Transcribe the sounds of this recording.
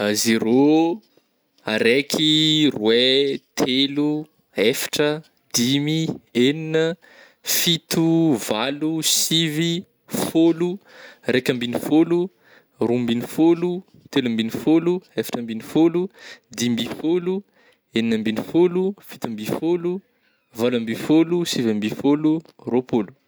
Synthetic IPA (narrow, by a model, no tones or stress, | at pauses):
zeɾo | a̰ɾekʰirwet̪ʰelu | efḁʈ͡ʂə | d̪̥imieninə | fit̪uvalusivi | folurekʲambinifolu | rumbinifolu | t̪elambinifoluefḁʈ͡ʂəmbinifolud̪imbifolu | eninəmbinifolufit̪ambifolu | valambifolusivambifolu | ropolu̥